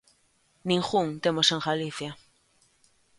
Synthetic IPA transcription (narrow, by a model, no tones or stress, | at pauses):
niŋχuŋt̪emosaŋxaliθja